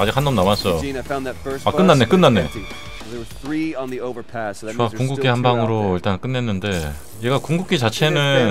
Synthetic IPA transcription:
ad͡ʑikhanːʌmnamas͈ʌjofãʊ̃nɨtfɜ˞akɯnːanːe̞kɯnːanːe | wzθɹĩnðioʊvə˞pʰæsakuŋɡukk͈ʰihambaŋɯɾoiɭtank͈ɯnːe̞nːɯnde̞ | je̞ɡakuŋɡuk͈ʰit͡ɕat͡ɕʰe̞nɯn

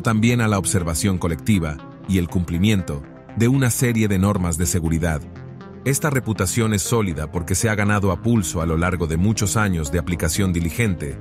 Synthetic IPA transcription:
t̪ambje̞nalaoβse̞ɾβasjo̞ŋko̞le̞k̚t̪iβa | ie̞lkumplimje̞nt̪o̞ | ðe̞unase̞ɾje̞ðe̞no̞ɾmazðe̞se̞ɣuɾiðað | e̞st̪are̞put̪asjo̞ne̞sːo̞liðapo̞ɾke̞seaɣanaðo̞apulso̞alo̞laɾɣo̞ðe̞mut͡ʃo̞saɲo̞zðe̞aplikasjo̞nd̪ilixe̞nt̪e̞

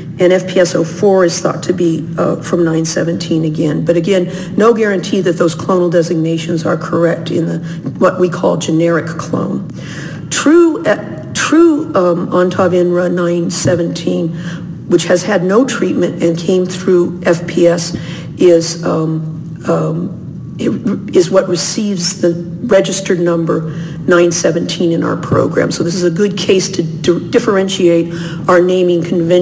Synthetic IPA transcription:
ʔɨ̃ɾ̃ɛfpʰiɛsoʊfɔɹɨz̥θɔ̰tʰɨbi | fɹʌ̃mnãɪ̃nsɛvɨ̃ntʰĩnɨɡɛ̃nbʌɾɨɡɛ̃nː | oʊɡɛɹɨ̃ntʰiðɨt̪̚ðoʊz̥kʰl̥õʊ̃nl̩ˠdɛzɨɡ̚neɪʃɨ̃nzə˞kʰə˞ɛk̚tʰɪ̰̃nðɨ | wʌʔ̚wikʰɔ̰lˠd͡ʒɨnɛɹɨkʰl̥õ̰ʊ̃n | tʰɹ̥ʉ | tʰɹ̥ʉɑ̃ntʰɑvɪ̃nɹʌnãɪ̃nsɛvɨ̃ntʰĩn | wət͡ʃhɨz̥ɨdⁿnoʊtʰɹ̥it̚mɨ̃ntɨ̃nkʰẽɪ̃mθɹʉʔɛfpʰiɛs | ʔɪz | ɨzwʌʔ̚ɹɨsivzðɨ | ɹɛd͡ʒɨstə˞dⁿnʌ̃mbə˞ | nãɪ̃nsɛvɨ̃n̩tʰĩnɨ̃na̰ʊə̰˞pʰɹ̥o̰ʊɡɹæ̰̃msoʊðɪsɨzɨɡʊd̚kʰeɪstʰɨd̥ɪfə˞ɛ̃nʃieɪɾ | aʊə˞nẽɪ̃mɪ̃ŋkʰɨ̃ɱvɛ̃

